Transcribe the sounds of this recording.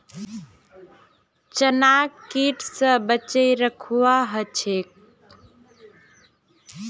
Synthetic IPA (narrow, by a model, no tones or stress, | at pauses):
t͡ʃənakiʈʰsə̃bət͡ʃəjɾəkʰuwaɦət͡ʃʰek̚